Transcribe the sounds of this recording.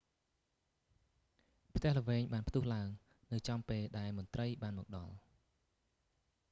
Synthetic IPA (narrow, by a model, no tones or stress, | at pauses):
pʰt̪ɛ̆əhlə̆ʋeːɲɓaːnpʰt̪uːhlaəŋ | nɨwt͡ɕɑmpeːlɗaɛlmʊ̆nt̪rəjɓaːnmɔːk̚ɗɑ̰l